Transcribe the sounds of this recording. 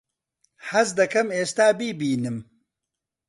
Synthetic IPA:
hɐzd̪ɐkɐmeːst̪aːbiːbiːnɨm

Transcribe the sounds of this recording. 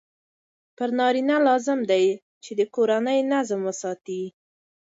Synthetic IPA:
pəɾnɑɾinalɑzɪmd̪aj | t͡ʃed̪əkoɾanəjnazmwəsɑt̪i

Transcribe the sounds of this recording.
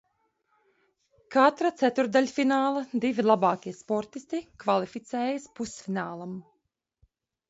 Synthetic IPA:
kat̪ɾat̪sæt̪uɾd̪aʎʲfinaːlˠad̪ivilˠabɑːkʲiɛspɔɾt̪ist̪ikvalˠifit̪sɛːjaspusfinaːlˠam

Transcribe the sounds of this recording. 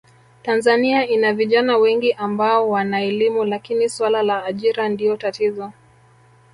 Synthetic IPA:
tanzaniainaviʄanawɛŋɡiʔambaɔwanaɛlimulakiniswalalaːʄiɾandiɔtatizɔ

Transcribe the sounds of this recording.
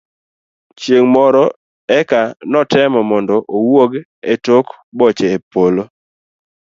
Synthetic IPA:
t͡ʃjeŋmɔɾɔ | ɛkanɔtɛmɔmɔndɔʔowoɡ | etok | bɔt͡ʃeːpolo

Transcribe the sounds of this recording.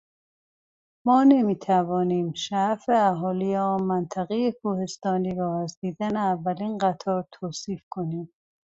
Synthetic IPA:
mɒːne̞miːt̪ʰævɒːniːmʃæfeæɦɒːlijeɒːmænt̪ʰæɣejekʰuːhe̞st̪ɒːniːɾɒːæzd̪iːd̪æneævːæliːnɢæt̪ʰɒːɾt̪ʰoːsiːfkʰoniːm

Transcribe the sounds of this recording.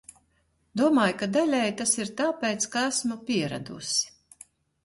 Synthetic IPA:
d̪uɔmaːjkad̪alʲɛjt̪asiɾt̪aːpʲɛjt̪skaæsmɔpʲiɛɾa̰d̪ṵsi̥

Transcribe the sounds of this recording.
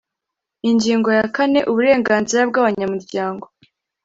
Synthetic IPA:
iɲɟiːŋɡo̞jakane̞ʔuβuɾe̞ːŋɡaːnziɾabɡaːβaɲamuɾɟaːŋɡo̞

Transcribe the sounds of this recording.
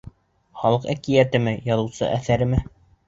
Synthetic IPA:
χɑlˠɤqækijæt̪ɘ̆mɘjɑðɤ̆wsɤ̰ʔæθæɾɘ̆mɘ

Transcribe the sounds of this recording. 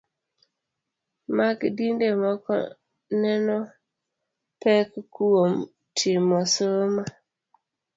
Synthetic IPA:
makdindemɔkɔ̰ | nɛnɔ | pɛkkuwom | tʰimɔsoma

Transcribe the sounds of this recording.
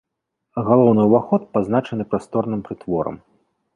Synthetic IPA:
ɣalˠɔwnɨwvaxɔt̪̚paznat͡ʂɐnɨpɾast̪ɔrnɨmpɾɨt̪vɔɾɐ̰m

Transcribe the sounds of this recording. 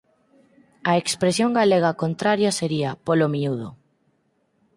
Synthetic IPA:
ɐekspɾesjoŋɡaleɣ̞ɐkont̪ɾaɾjɐseɾiɐpolomiuðo

